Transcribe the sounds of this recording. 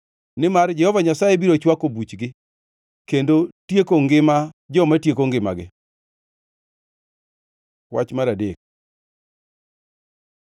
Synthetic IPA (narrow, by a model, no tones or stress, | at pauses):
nɪmard͡ʒɛhɔvaɲasajebiɾot͡ʃwakobut͡ʃɡɪ | kendotjekoŋɡɪmad͡ʒɔmatjekoŋɡɪma̰ɡɪ̰ | wa̰t͡ʃmaɾadek̚